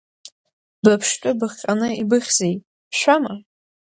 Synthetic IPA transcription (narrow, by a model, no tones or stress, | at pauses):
bapʰʂt͡ʃʼʊbɨχʲqʲʼanɨibɨχʲz̥ej | ʃʷama